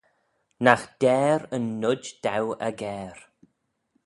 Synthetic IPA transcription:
naxd̥ɛːɾənːʊd͡ʒd̪̥awə̰ɡɛːɾ

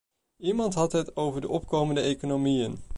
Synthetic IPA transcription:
imɑntɦɑtɦətowvəɹdəʔɔp̚kowməndəejkonowmijən

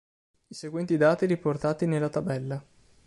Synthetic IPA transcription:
iseɡwɛnt̪id̪aːt̪iɾiport̪aːt̪inelːat̪abɛlːa

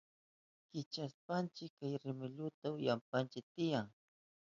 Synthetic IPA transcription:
kɪt͡ʃaspant͡ʃɪkːajɾɪmɪʎʊt̪aʊjampant͡ʃɪk̚t̪ɪjaŋ

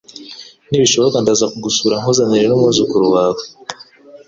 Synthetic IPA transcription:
niːβiʃo̞βokandazakuɡusuːɾaŋuzaɲiɾenumŋuzukuɾuwaːwe

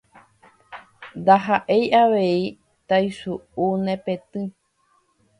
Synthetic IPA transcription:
nd̪aɦaʔe̞jʔaʋei | t̪ajsuunẽpet̪ɨ̃

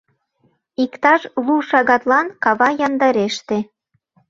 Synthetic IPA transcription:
ikt̪ɑʃluʃɑɣɑt̪lɑnkɑβɑjɑnd̪ɑɾeʃt̪e

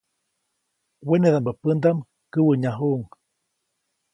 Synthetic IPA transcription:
weneðambapənd̪am | kəwəɲaɦuʔŋ

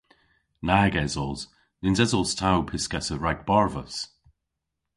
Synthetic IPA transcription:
naːɡɛzɔlˠz̥ | nɪnzɛzɔlˠstʰawpʰɪskɛsəɹaɡ̚b̥ɔɹvəs

